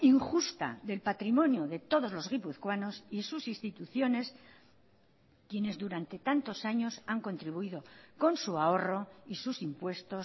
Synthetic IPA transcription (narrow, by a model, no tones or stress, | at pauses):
iŋxust̪a̰ðe̞lpat̪ɾimõ̞njoðe̞t̪o̞ðo̞zlo̞zɣ̞ipuθkwano̞sisusist̪it̪uθjo̞ne̞s | kje̞ne̞zðuɾant̪e̞t̪ant̪o̞saɲo̞saŋko̞nt̪ɾiβuiðo̞ko̞nsuao̞ro̞isusimpwe̞st̪o̞s